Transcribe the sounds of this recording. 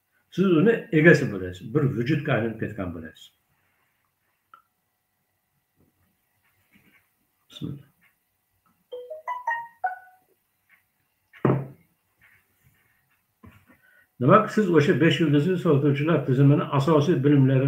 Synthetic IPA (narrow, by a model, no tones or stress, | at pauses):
sizunɪeɡʲɛsibolez̥biɾvyd͡ʒut̪̚kʰʲaːlinp̚kʰet̪kʲʰæ̰nbolɛ̰sz̥ | namaksizoʃabeʃjilʲˠd̪izisoɾt̪ʰut͡ʃʰulˠaɾt̪ʰizɪminɪʔasɑːsiːbilimleɾi